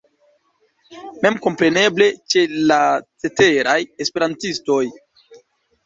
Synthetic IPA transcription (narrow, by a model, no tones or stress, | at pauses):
me̞mko̞mpɾe̞ne̞ble̞t͡ʃe̞lat͡se̞te̞ɾajespe̞ɾantisto̞j